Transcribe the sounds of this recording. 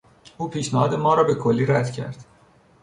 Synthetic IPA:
uːpʰiːʃnæhɒːd̪e̞mɒːɾɒːbe̞kʰolːiːɾæd̪̥cʰæ̰ɾd̪̥

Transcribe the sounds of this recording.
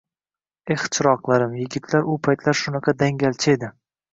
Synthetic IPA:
eht͡ʃʰɪɾɒqlˠaɾɪmjɪɡʲɪt̪ʰlaɾʊpʰajt̪ʰlaɾʃʊnɑqʰɑd̪aŋɡʲalt͡ʃʰaed̪ɪ

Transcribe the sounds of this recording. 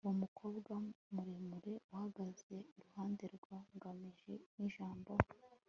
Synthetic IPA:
womukʰo̞ːbɡamuɾemuɾe̞wahaɡaze̞uɾuhaːndeɾɡwaŋɡamiʒeniʒaːmbo

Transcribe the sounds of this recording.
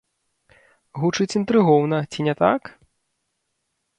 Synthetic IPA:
ɣut͡ʂɨt͡sʲint̪ɾɨɣɔwnɐt͡sʲinʲɛt̪ak

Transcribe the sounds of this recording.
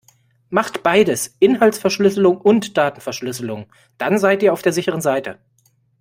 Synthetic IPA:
maχtb̥aɪdəsʔɪnɦalsfɛɐʃlʏsəlʊŋʊntd̥aːtn̩fɛɐʃlʏsəlʊŋ | d̥anzaɪtiːɐaʊd̥eːɐzɪçəʁənzaɪtʰə

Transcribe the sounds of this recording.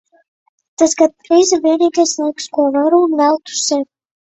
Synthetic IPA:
t̪asɡat̪̚pɾiːzaviɛnʲiːkajslˠajkskuɔvaɾunːælˠt̪u̥sɛ

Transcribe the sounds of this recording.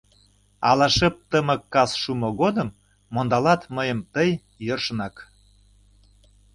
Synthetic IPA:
ɑlɑʃəp̚t̪əmə̆kːɑsʃumoɣod̪əmː | ond̪ɑlɑt̪məjəmt̪əj | jørʃənɑk

